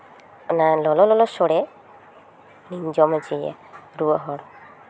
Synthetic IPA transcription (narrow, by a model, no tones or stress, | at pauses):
nalɔlɔlɔlɔsɔɽɛ | nind͡ʒɔmad͡ʒiɛ̰ | ɾuɔɦɔɾ